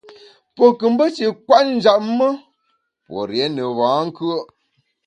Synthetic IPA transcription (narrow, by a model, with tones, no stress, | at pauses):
po˨kɨ˨m˦bə˦t͡ʃi˨kwa˦tn̩˦d͡ʒa˨ʔ̚mə˦ | po̰˨ɾjɛ˨˦nə˨βãː˨˦ŋ˦kɯ˦ə˦